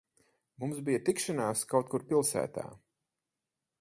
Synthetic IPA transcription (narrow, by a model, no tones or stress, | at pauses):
mumzbijat̪ikʃanaːskawt̪̚kuɾpilˠsæ̰ːt̪a̰ː